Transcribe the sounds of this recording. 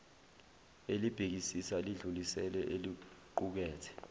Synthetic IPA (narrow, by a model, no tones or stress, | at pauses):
elib̥ʱik̬isisaliɮulisɛlɛʔeliǃuk̬ɛːtʰɛ̥